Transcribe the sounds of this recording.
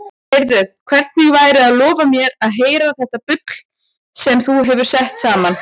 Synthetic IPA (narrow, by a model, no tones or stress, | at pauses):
ɪɾðʏðkʰvɛɾ̥t̪mɪɣvaːjɾɪaðlɔːvamjɛɾaðɦeːjɾaθɛht̪apʏt̪l̥ | sɛmθuɦɛvʏɾ̥sɛht̪saːman